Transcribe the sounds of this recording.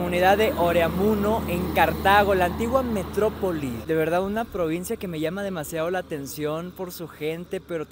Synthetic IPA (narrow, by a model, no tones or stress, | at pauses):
muniðaðe̞ʔoɾeamuno̞ʔe̞ŋkaɾt̪aɣ̞o̞laːnt̪iɣwame̞t̪ɾo̞po̞lisðe̞βe̞ɾðaðunapɾo̞β̞insjake̞me̞ʝamað̞e̞masjað̞o̞laːt̪e̞nsjo̞npo̞ɾsuxe̞nt̪e̞pe̞ɾo